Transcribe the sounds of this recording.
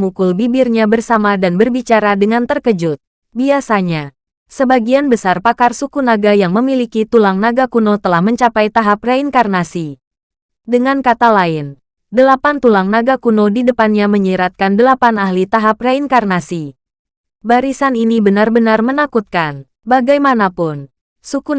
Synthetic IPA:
mukulbibɪrɲabərsamadanbərbit͡ʃaɾadəŋant̪ərkəd͡ʒʊt̪̚ | biasaɲa | səbaɡianbəsarpakarsukunaɡajaŋməmilikit̪ulaŋnaɡakunot̪əlahməɲt͡ʃapajt̪aɦap̚rainkarnasi | dəŋankat̪alaɪn | dəlapant̪ulaŋnaɡakunodidəpanɲaməɲəɾat̪̚kandəlapanahlit̪aɦap̚rainkarnasi | baɾisaninibənarbənarmənakut̪̚kan | baɡajmanapʊn | suku

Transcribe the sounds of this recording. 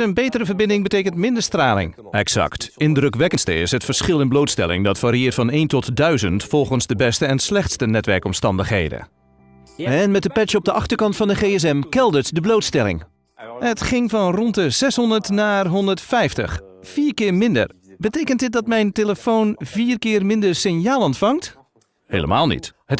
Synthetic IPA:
ənbeːtərəvəɹbɪndɪŋbəteːkəntmɪndəɹstraːlɪ̰ŋ | ɛksɑ̰ktɪndrɵkʋɛkənstə̰ɪ̰sɦətfəɹsχɪlˠɪnbloːwtstɛ̰lɪ̰ŋdɑtfaːɾiɪːtfɑneːntɔtdœɥzəntfɔlˠχənsdəbɛstəɛnslɛχtstənɛtʋɛ̰ɹkɔmstɑ̰ndəχɦḛjdə̰ | ɛnmɛtəpɛt͡ʃəɔp̚dəʔɑχtəɹkɑntfɑndəχeːɛs̬ɛmkɛlˠdətdəblowtstɛlɪ̰ŋ | ətχɪŋvɔnrɔntəz̥ɛshɔndəɹtnaːɦɔndəɹtfɛjftə̰xfiːɹkɪːɹmɪndə̰rbətejkənt̚dɪt̚dɑtmɛjnteləfownviːrkɪːrmɪndəɹsɪnjaːlˠɔntfɑŋt | heːlə̰maːlˠnḭthət

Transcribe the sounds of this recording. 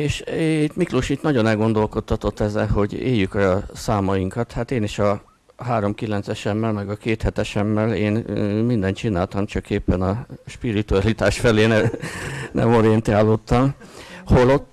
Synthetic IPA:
eːʃt̪mikloʃit̪nɒɟo̞nɛlɡo̞nd̪o̞lko̞t̪ːɒt̪o̞t̪ːɛzːɛ̰lho̞ɟḛːjːykɒsaːmɒjiŋkɒt̪hat̪eːniʃɒ | ɦaːɾo̞mkilɛnt̪sɛʃɛmːɛlmɛɡɒkeːt̪hɛt̪ɛʃɛmːɛleːnmind̪ɛnt̪t͡ʃinaːlt̪ɒmt͡ʃɒkeːpːɛnɒʃpiɾit̪uɒlit̪aːʃfɛleːnɛ | nʔɛ̰moɾiɛnt̪iaːlːot̪ːɒmho̞lot̪ː

